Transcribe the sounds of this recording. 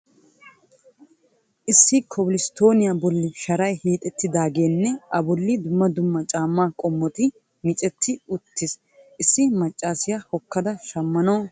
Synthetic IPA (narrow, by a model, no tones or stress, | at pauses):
ʔɪsːɪkʰɔblɪst̪o̞ːnɪjabɔlːɪʃɐɾɐjhiːt̪ʼɛt̪ːɪd̪aːɡeːnːɛʔɐbɔlːɪd̪ʊmːɐd̪ʊmːɐt͡ʃʼaːmːaːkʼɔmːɔt̪ɪ | mɪt͡ʃʼɛt̪ʰːɪʊt̪ːɪs | ʔɪsːɪmɐt͡ʃʼːaːsɪjahɔkːɐd̪ɐʃɐmːɐnoː